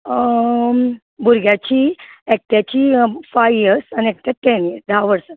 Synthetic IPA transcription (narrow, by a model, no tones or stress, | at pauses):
bʱuɾɡjat͡ɕiːek̚ʈ̪jat͡ɕiːfajʋijəɾsaniek̚ʈ̪jaʈeniəɾsd̪aaʋəɽsə